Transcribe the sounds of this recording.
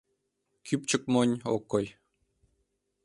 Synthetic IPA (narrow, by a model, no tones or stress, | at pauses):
kʲʰypt͡ɕə̆k̚monʲo̰kːoj